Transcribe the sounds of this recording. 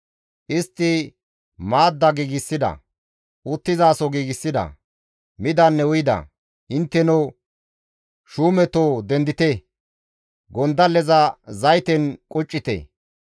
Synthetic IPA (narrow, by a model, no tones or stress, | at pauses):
ʔɪst̪ːɪ | maːd̪ːɐɡiːɡɪsːɪd̪ɐ̰ | ʊt̪ːɪzaːsɔɡiːɡɪsːɪd̪ɐ̰ | mɪd̪ɐnːɛʊjɪd̪ɐ̰ | ʔɪnt̪ːɛnɔ | ʃuːmɛt̪oːd̪ɛnd̪ɪt̪e | ɡɔnd̪ɐlɛzɐzɐjt̪ɛnkʼʊt͡ʃʼːɪt̪ḛ